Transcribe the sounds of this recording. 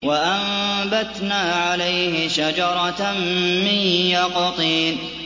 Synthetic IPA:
waʔambat̪naːʕalajhɪʃad͡ʒɑɾˤɑ | mɪnjɑqɑt̪ˤiːn

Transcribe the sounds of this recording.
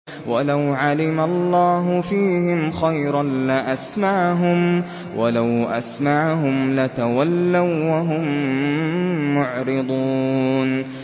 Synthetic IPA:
walawʕalɪmalˤːɑːɦʊfiːhɪmxajɾɑnlaʔasmaʕɦʊm | walawʔa̰smaʕɦʊmlat̪awalːawwaɦʊm | ʊʕɾɪd̪ˤuːn

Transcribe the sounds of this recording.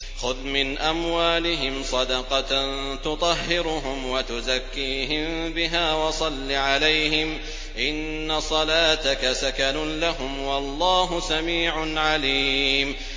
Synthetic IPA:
xʊðmɪnʔamwaːlɪɦɪmsˤɑd̪ɑqɑ | t̪ʊt̪ˤɑɦːɪɾʊɦʊmwat̪ʊzakːiːɦɪmbɪɦaːwɑsˤɑlːiʕalajhɪm | ʔɪnːasˤɑlaːt̪akasakanʊlaɦʊmwɑlˤːɑːɦʊsamiːʕʊnʕaliːm

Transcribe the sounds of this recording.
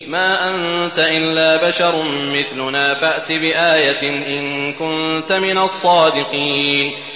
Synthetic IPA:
maːʔant̪aʔɪlːaːbaʃɑɾˤmɪθlʊnaːfaʔt̪ɪbɪʔaːjanʔɪnkʊnt̪amɪnasˤːɑːd̪ɪqiːn

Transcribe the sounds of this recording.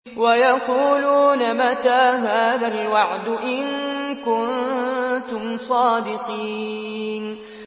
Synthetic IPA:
wajɑquːluːnamat̪aːɦaːðalwaʕd̪ʊʔɪnkʊnnt̪ʊmsˤɑːd̪ɪqiːn

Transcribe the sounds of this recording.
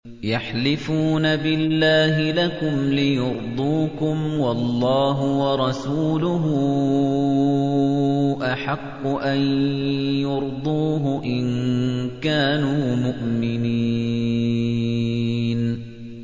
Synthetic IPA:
jaħlɪfuːnabɪlːaːɦɪlakʊmlɪjʊɾd̪ˤuːkʊmwɑlˤːɑːɦʊwɑɾˤɑsuːlʊɦʊ | ʔaħɑqːʊʔanjʊɾd̪ˤuːɦʊʔɪnkaːnuːmʊʔmɪni | n

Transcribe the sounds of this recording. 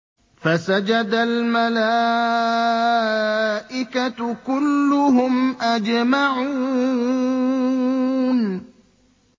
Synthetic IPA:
fasad͡ʒad̪almalaː | ʔɪkakʊlːʊɦʊmʔad͡ʒmaʕuuː | n

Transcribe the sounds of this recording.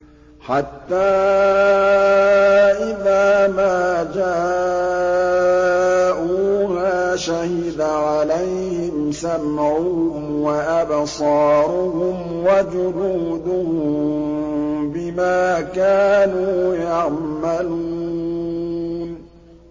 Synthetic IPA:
ħat̪ːaː | ʔɪðaːmaːd͡ʒaː | ʔuːmaːʃahɪd̪aʕalajhɪmsamʕuʊmwaʔabsˤɑːɾʊhʊm | wad͡ʒʊɾuːd̪ʊhʊʊm | bɪmaːkaːnuːjaʕmaluː | n

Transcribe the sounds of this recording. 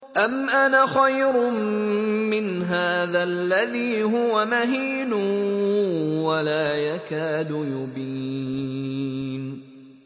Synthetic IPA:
ʔamʔanaːxajɾʊ | mɪn | ɦaːðaːlːaðiːɦʊwamaɦiːnʊ | walaːjakaːd̪ʊjʊbiː | n

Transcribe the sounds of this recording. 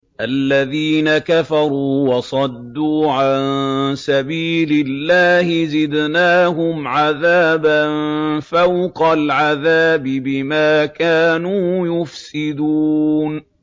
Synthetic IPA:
ʔalːaðiːnakafɑɾˤuːwɑsˤɑd̪ːuːʕansabiːlɪlːaːhɪzɪd̪naːɦʊmʕaðaːbanfawqalʕaðaːbɪbɪmaːkaːnuːjʊfsɪd̪uːn

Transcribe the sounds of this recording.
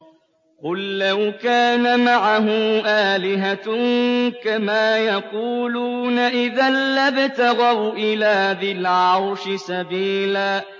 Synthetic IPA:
qʊlːawkaːnamaʕaɦʊmʔaːlɪɦa | kamaːjɑquːluːnaʔɪðalːabt̪aɣawʔɪlaːðɪlʕʕaawʃɪsabiːlaː

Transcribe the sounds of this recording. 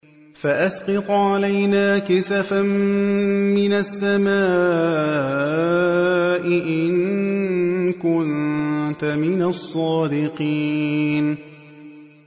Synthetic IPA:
faʔasqɑt̪ʕalajnaːkɪsafam | mɪnasːamaː | ʔɪʔɪn | kʊnt̪amɪnasˤːɑːd̪ɪqiːn

